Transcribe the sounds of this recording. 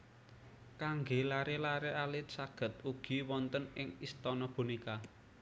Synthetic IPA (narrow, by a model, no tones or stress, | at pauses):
kaŋɡelaɾelaɾealɪt̪̚saɡ̥ə̤t̪̚uɡ̥i̤wɔnt̪ənɪŋist̪ɔnɔpṳnika